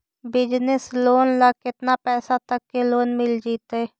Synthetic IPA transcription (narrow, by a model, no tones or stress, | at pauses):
bɪd͡ʒnɪsloːnlakɪt̪napɛːsat̪əkːeloːnmɪld͡ʒiːt̪eː